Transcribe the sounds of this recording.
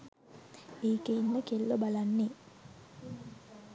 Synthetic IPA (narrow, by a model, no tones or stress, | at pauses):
eːkeinməkelːobalanːe